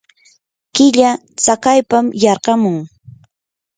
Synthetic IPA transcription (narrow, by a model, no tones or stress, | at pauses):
kɪʎa | t͡sakajpamjɑɾqɑmʊŋ